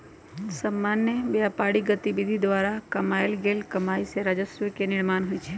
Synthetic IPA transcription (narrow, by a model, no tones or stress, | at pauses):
səmːanːəbeapaɽiɡət̪ibid̪ʱid̪ʋaɾakəmaelɡelkəmaiseɾad͡ʒəsəkenɪɭmanɦojt͡ʃʰe